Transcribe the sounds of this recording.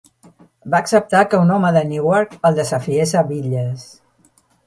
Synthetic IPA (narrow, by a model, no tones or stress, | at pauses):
baːksəp̚t̪akəunɔməðənuwɔɾkəlˠd̪əzəfiesəβiʎəs